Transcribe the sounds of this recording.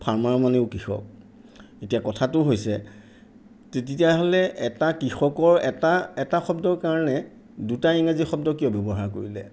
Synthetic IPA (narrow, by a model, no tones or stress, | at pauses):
pʰaɹmaɹmaneʊkixɔ̰k̚ | etijakɔtʰatʊɦojsɛ | tet̬itijaɦolɛɛtakɹixɔkɔɹɛtaɛtaxɔb̚dɔɹkaɹɔnɛ | dutaiŋazixɔb̚dɔkiɔbjɔbɔɦaɹko̰ɹilɛ̰